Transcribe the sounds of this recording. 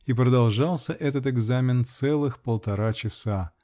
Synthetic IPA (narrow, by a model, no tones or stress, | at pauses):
ipɾəd̪ɐlˠʐɑlˠsʲəʔɛt̪̬ət̪ɪɡzamʲɪnt̪sɛlˠɨxpəlˠt̪ɐɾat͡ɕɪsa